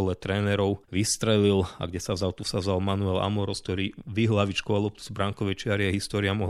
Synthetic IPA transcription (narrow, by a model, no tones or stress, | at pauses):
ɔlɛt̪ɾɛːnɛɾɔʊʋist̪ɾɛlila̰ɡɟɛsavzalt̪usazalmanuɛla̰mɔɾɔsk̚t̪ɔɾiːʋiɦlaʋit͡ʃkɔalˠɔp̚t̪u̥z̥bɾaŋkɔʋɛt͡ʃɪaɾiaɦist̪ɔːɾiamɔɦ